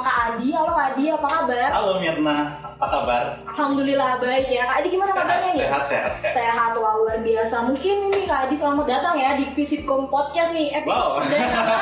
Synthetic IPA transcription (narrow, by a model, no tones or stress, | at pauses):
kaʔːdialokaːdiapakabaralomirnaapakabaralhamd̪ulilahbaɪkjakaːdiɡimanapadaɲaɛat̪seha̰t̪ssajaɦat̪oauwarbiasamuŋkɪninikaːdisəlamaɡat̪aŋjadipisɪt̪̚kɔmpɔt̪̚kasnɪhɛpisdaɲa